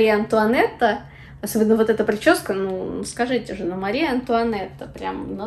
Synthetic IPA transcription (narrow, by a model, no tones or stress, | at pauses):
ijəɐnt̪ʊɐnɛt̪ːə | ɐsobʲɪnːəvo̞t̪ɛt̪əpɾʲɪt͡ɕoskənuskɐʐɨtʲɪʐɨnomɐɾʲijəɐnt̪ʊɐnɛt̪ːəpɾʲamno